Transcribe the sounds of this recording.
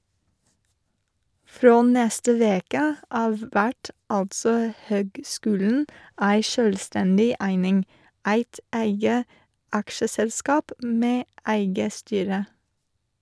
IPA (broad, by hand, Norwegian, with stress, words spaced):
ˈfɾoː ˈnɛstə ˈʋeːkə ˈɑːʋ ˈʋæʈ ˈɑltsɔ ˈhøːɡˌskʉːln̩ ˈæɪ ˈʃøːlˌstɛndɪ ˈæɪnɪŋ ˈæɪt ˈæɪɡə ˈɑkʃəsɛlˌskɑːp ˈmeː ˈæɪɡə ˈstyːɾə